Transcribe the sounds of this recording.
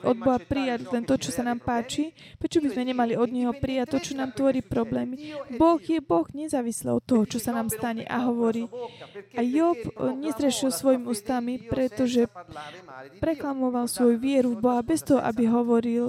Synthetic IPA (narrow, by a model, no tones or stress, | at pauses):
ʔɔd̪̚bɔɦapɾijaɟlɛnt̪ɔt͡ʃɔsanaːmpaːt͡ʃi | pɾɛt͡ʃɔbizmɛɲɛmaliɔd̪ɲɛɦɔpɾijact̪ɔt͡ʃɔnaːmt̪ʋɔɾiːpɾɔblɛːmibɔɣjɛbɔɣɲɛzaːʋislɛ̰ɔt̪ːɔɦɔt͡ʃɔsanaːmst̪aɲɛ̰ʔa̰ɦɔʋɔɾiːʔajɔpɲɛzɾɛʃilsʋɔjimiuːst̪amipɾɛt̪ɔʒɛ | pɾɛklamɔʋalsʋɔjuʋɪɛɾuvbɔɦabɛst̪ɔɦɔʔa̰biɦɔʋɔɾil